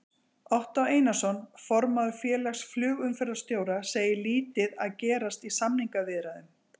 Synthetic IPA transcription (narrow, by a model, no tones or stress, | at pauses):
ɔht̪aweːjnasɔnfɔɾmaðʏfjɛːlaxsflʏːɣʏmfɛɾɪɾast̪joːwɾaseːjɪliːt̪ɪðaðcɛːɾast̪isamniŋkavɪðɾaðʏm